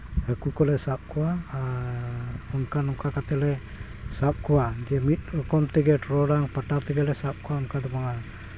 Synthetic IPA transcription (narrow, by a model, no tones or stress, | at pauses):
həkukɔlɛsap̚kua | uŋkanumkakat̪ɛlɛ | sap̚kuad͡ʒɛmit̪̚əkɔmt̪ɛɡɛʈɾɔɾaŋpaʈat̪ɛɡɛlɛsap̚kuaunkad̪əmaŋa